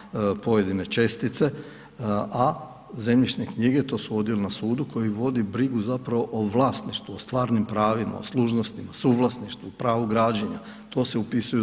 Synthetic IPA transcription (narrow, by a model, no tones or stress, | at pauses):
po̞je̞d̪ine̞t͡ʃe̞st̪it̪se̞ | a | ze̞mʎiʃnekɲiɡe̞t̪o̞ːsuo̞d̪jilenasuːd̪uko̞jiʋo̞d̪ibɾiɡuzapɾaʋo̞ʔoʋlˠaːst̪niʃt̪ʋuost̪ʋaːɾnimpɾaːʋima̰o̰sluʒnost̪imasuːʋlˠasniʃt̪uːpɾaːʋuɡɾaːd͡ʑeɲa̰ | t̪o̞ːse̞upisuju